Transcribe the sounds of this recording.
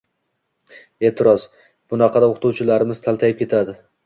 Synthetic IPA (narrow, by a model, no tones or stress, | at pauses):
e̞ːt̪ʰɪɾɒz | b̥ʊnɑqʰɑd̪aoqʰt̪ʰuwt͡ʃʰɪlaɾɪmɪz̥t̪ʰalˠt̪ʰajɪp̚kʰʲe̞t̪ʰad̪ɪ